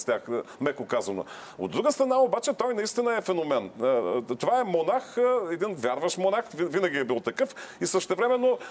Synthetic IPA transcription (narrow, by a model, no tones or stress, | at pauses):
st̪ʲaxmɛkokazɐno̰ | o̰d̪ɾuɡəst̪ɾɐnaobat͡ʃɛt̪ɔjnɐist̪inəɛfɛnomɛnt̪ovaɛmonaxɛd̪invʲjaɾvəʃmonaxvvinɐɡʲiɛbilˠt̪ɐkɤfisəʃt̪ɛvɾɛmɛnːo